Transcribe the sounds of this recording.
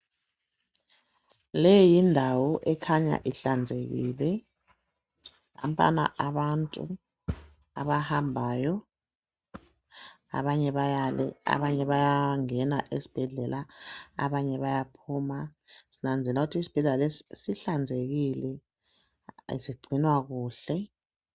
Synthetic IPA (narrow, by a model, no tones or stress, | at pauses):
lɛjjindʱawɔʔɛkʰaɲa̰ʔiɬand͡zʱeɣilɛ | a̰mpʼa̰na̰ʔaɓantʼṵ | a̰βahambʱaːjɔ | a̰βaɲɛβajalɛ̰a̰βaɲɛβajaŋɛnaʔesi̥b̥ʱɛɮɛla̰ːβaɲɛβajapʰuːma | sinand͡zʱɛlauɣutʰiːsi̥b̥ʱɛɮɛlalesiɬand͡zʱeɣilɛ | siɡ͡ǀʱinwaɣuːɬɛ